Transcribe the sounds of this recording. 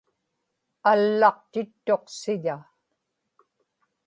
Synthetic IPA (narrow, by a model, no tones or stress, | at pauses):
alːɑq̚t̪ɪt̪ːo̞qsɪʎa